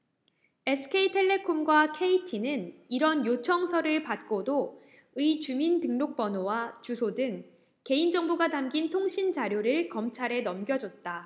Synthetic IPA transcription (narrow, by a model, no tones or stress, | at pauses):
e̞sʰɯ̥kʰeitʰe̞ɭːe̞kʰomɡwakʰe̞itʰinɯniɾʌnjot͡ɕʰʌŋsʰʌɾɯɭpat̚k͈odo | ɯit͡ɕumintɯŋnok̚p͈ʌnowat͡ɕusʰodɯŋ | ke̞ind͡ʑʌŋbuɡatamɡintʰoŋɕʰind͡ʑaɾjoɾɯɭkʌmt͡ɕʰaɾe̞nʌmɡjʌd͡ʑʌt̚t͈a